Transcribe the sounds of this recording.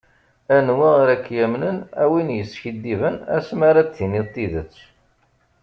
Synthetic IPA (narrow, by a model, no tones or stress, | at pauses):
ænwiʁɾækːjæmnənæwinjəsːçid̪ːivənæ̰smaɾat͡sːinit̪ˤːiðət͡sː